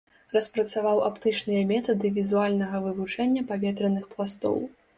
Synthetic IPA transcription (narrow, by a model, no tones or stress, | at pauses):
rɐspɾɐt̪savawapt̪ɨt͡ʂnɨjɐmʲɛt̪ɐd̪ɨvʲizualʲnɐɣɐvɨvut͡ʂɛnʲːɐpavʲɛt̪ɾɐnɨxplˠast̪ɔ̰w